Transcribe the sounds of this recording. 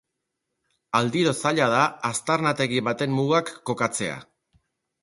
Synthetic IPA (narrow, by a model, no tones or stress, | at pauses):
ald̪iɾo̞saʎaðaːst̪aɾnat̪e̞ɣiβat̪e̞mmuɣakːo̞kat͡se̞a̰